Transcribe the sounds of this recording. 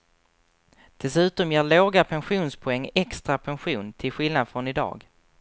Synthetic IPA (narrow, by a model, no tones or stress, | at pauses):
d̪̥ɛsʉ̟ːt̪ɔmjeːɭoːɡapʰɛnɧuːnspʰʊɛŋːɛkst̪ɾapʰɛnɧuːnt̪ʰɪlɧɪlnad̪fɾɔnɪd̪ɑ̰ːɡ